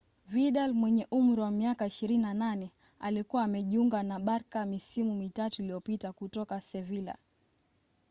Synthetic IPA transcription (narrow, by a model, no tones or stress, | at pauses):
viɗalmwɛɲɛʔum̩ɾiwamiakaiʃiɾininananɛ | alikuwaːmɛʄiuŋɡanaɓaɾkamisimumitatuilijɔpitakutɔkasɛvila̰